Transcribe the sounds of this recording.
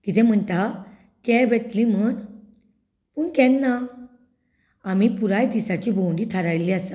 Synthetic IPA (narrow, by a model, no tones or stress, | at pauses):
kit̪ʰɛ̃m̤əɳt̪a | kɛbɛt̪lim̤əɳ | puɳkɛ̃nːa | amipuɾajd̪isat͡ɕibowɳɖit̪ʰaɾajliasa